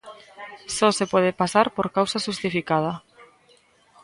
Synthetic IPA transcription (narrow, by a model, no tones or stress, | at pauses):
sɔsepwɔðepasaɾpoɾkawsaʃust̪ifikað̞a